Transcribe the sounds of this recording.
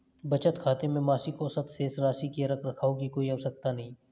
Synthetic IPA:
bɐt͡ʃət̪kʰaːt̪emẽmaːsikosət̪seːsɾaːsikiɐɾɐkɾɐkʰaːoɡikoːiaʋsək̚t̪anɐɦĩː

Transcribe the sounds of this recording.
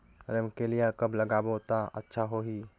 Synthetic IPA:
ɾemkelijakəbləɡaːbot̪aə̰tːʃʰaɦoɦi

